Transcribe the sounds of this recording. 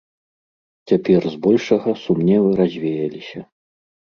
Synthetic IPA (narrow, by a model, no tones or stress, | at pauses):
t͡sʲapʲɛrzbɔlʲʂɐɣɐsumnʲɛvɨɾazʲvʲejɐlʲisʲɐ